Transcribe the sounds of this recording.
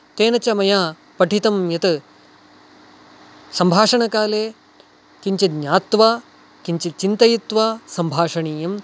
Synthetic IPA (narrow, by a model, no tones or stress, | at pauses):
t̪eːnɐt͡ʃɐmɐjaː | pɐʈit̪ɐmjɐt̪ɨ | sɐmbʱaːʂɐɳɐkaːleː | kiɲt͡ʃiɲaːt̪ʋaː | kiɲt͡ʃit͡ʃint̪ɐjit̪ʋaːsɐmbʱaːʂɐɳiːjɐm